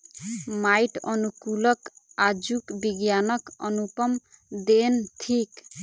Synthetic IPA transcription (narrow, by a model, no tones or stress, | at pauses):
majʈɔnukulɔkad͡ʒukbiɡjanɔkɔnupɔmd̪entʰik